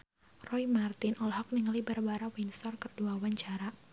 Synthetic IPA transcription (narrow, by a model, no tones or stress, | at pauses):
rɔimart̪ɪnʔɔlɦɔk̚nɪŋlibarbaɾawinsɔrkərduawaɲt͡ʃaɾa